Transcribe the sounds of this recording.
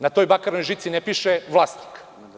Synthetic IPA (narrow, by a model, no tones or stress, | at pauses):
nat̪o̞jbakaɾnojʒit̪sinepiʃeʋlˠaːsni̥k